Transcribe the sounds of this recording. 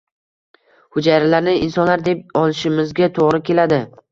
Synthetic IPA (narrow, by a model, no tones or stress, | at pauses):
hʊd͡ʒajɾɪlaɾnɪɪnsɒnlaɾd̪e̞p̚ɒlˠɪʃɪmɪzɡʲat̪ʰoʁɾɪkʲe̞lad̪ɪ